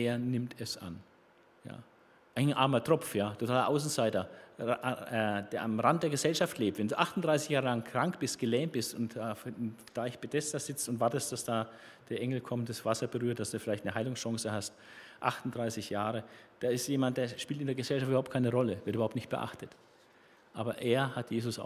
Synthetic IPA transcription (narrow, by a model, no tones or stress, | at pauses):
eːɐnɪmtɛsʔa̰n | ja̰ː | ʔaɪnʔaɐmɐtʁ̥ɔfjaːtʰotʰaːlɐʔaʊs̬n̩zaɪtɐ | ʔɛd̥eːɐamʁant̚d̥eːɐɡəzɛlʃaftʰleːp̚tvɛnduːʔaχtʊnd̥ʁaɪsɪçjaːʁəlaŋkʁ̥aŋkb̥ɪst̚ɡ̥əlɛːmtb̥ɪstʊntaːfd̥aːɪçb̥edɛsdɐz̥ɪt͡stʊntv̥aɐtəst̚d̥asd̥aː | d̥eːɐʔɛŋl̩kʰɔmt̚d̥asv̥asɐbəʁyːɐt̚d̥asd̥uːfɪlaɪçtnəɦaɪlʊŋsʃɔŋsəhast | ʔaχtʊntd̥ʁaɪsɪçjaːʁəd̥aːɪstjeːmant̚d̥eːɐʃpiːltɪndeːɐɡəzɛlʃaftyːɐhʊptkʰaɪnəʁɔləvɪɐtybɐhaʊptnɪçt̚b̥əʔa̰χtət | ʔaːbɐʔeːɐhatjeːzʊsʔa̰